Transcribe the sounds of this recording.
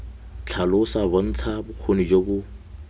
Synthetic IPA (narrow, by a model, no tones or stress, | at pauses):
t͡ɬʰalʊsabon̩t͡sʰabʊq͡χʰonid͡ʒobʊ